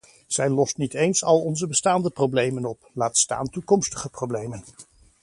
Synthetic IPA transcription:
z̥ɛjlɔstnitejnsɑlˠɔnzəbəstaːndəprowblejmənɔplaːtsta̰ːntukɔmstəχəprowblejmən

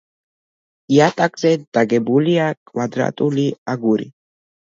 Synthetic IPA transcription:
iat̪ʼakʼzɛd̪̥aɡɛbuliakʼvad̪ɾa̰t̪ʼuliaɡuɾḭ

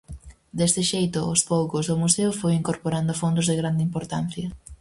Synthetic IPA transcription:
d̪est̪ɪʃejt̪ʊːspowkʊzðʊmuseʊfojiŋkoɾpoɾand̪ʊfond̪ʊzðeɣɾand̪ɪimpoɾt̪an̟θjɐ

